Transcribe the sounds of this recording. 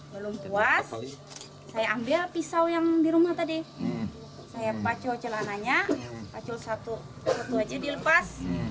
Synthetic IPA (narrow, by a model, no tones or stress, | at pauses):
bəlumpuasː | ajaːmbɪlpisawjaŋdiɾumat̪adi | sajapat͡ʃɔt͡ʃəlanaɲapat͡ʃulsat̪u | sat̪uad͡ʒadiləpas